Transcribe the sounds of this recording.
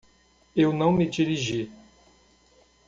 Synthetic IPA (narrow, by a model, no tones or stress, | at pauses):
ewnɐ̃w̃mɪd͡ʒiɾiʒi